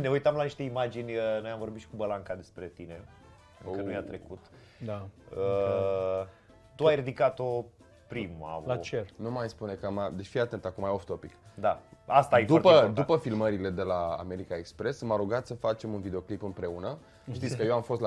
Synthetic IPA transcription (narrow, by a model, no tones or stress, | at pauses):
ne̞ujt̪amlaniʃt̪e̞imad͡ʒinʲənojaɱvo̞rbit̪ʃi̥kubəlaŋkad̪e̞spɾe̞t̪ine̞ | okənujat̪ɾe̞kut̪ | d̪ə | t̪uajrid̪ikat̪o | pɾima̰lat͡ʃenumajspune̞kəmad̪et͡ʃfijat̪e̞nt̪akumajoft̪o̞pikd̪aast̪ajed̪urtpəd̪upəfilməɾile̞d̪e̞la̰ːme̞ɾikaekspɾe̞smaɾuɡat̪səfat͡ʃe̞munvid̪eo̞klipɨmpɾe̞unə | t̪itsskəjewamfost̪